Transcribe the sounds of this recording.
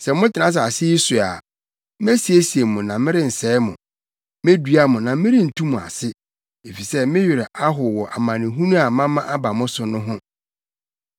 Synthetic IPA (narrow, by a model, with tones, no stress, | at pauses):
sɛ˨mʊ̃˦tɪ˨nã˦s̬a˨sɪ˦i˦su˨a̰˨ | m˦æ˦si˨e˦si˨e˨mʊ̃˨nã˨mɪ̃˦ɾɪ˦n̩˨sɛː˦mʊ̰̃˨ | me˦dɥa˦mʊ̃˨nã˨mɪ̃˦ɾɪ̃˦n̩˨tʰũ˦mũ˨a̰˨sɪ˦ | e˨fi˨sɛ˦mɪ̃˦ɥɪ˨ɾɛ˨ʔa˦ɦʊ˨wɔ˨ʔa˨mã˨nɪ̃˨ɦũ˦nũ˦a˨mã˦mã˦ʔa˦ba˨mʊ̃˦sʊ˨nʊ̃˦ɦʊ̃˦